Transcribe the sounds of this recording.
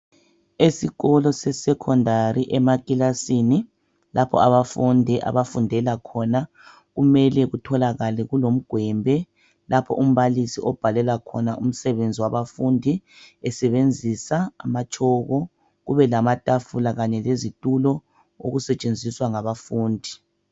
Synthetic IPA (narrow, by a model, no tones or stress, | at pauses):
esiɣɔlɔsɛsɛkʰɔndʱariʔɛmakʼilasini | lapʰɔ̰aβafundʱiʔa̰βafundʱɛlakʰɔna | ɣumɛlɛɣutʰɔlaɣalɛɣulom̩ɡ̥ʱwɛmbʱɛ | lapʰɔ̰ʔum̩βalisiʔɔb̥ʱalɛlakʰɔ̰naʔum̩sɛβend͡zʱiwaβafundʱiɛsɛβend͡zʱisaːmat͡ʃʰʼɔɣɔ | ɣuβɛlamatʼafulaɣaɲɛlezitʼulɔ | o̰ɣusɛt͡ʃʼend͡zʱiswaŋaβafuːndʱi